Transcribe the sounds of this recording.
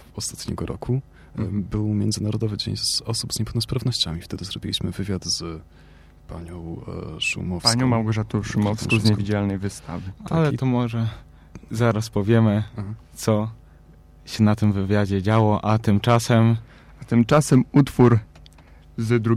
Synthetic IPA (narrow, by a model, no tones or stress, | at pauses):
ɔst̪ḁt̪ɲɛ̰ɡɔɾɔ̰kʰu | bɘwmʲjɛnzɘnaɾɔd̪ɔvɘd͡ʑḛɲzɔsubz̥ɲɛpɛwnɔspɾavnɔɕt͡ɕamʲift̪ɛd̪ɘzɾɔbʲilʲiɕmɘvɘvʲjad̪z̥ | pa̰ɲɔ̃w̃ʂṵmɔfpsaɲɔ̃mawɡɔʐat̪uʂumɔfskɔzɲɛvʲid͡ʑalnɛjvɘst̪a̰vɘalɛt̪ɔmɔʐɛ | zaɾaspɔvʲjɛmɘt̪sɔ | ɕɛnat̪ɘmvɘvʲjad͡ʑɛd͡ʑawɔʔat̪ɘmt͡ʂasɛm | at̪ɘmt͡ʂasɛmut̪fuɾ | zd̪ɾu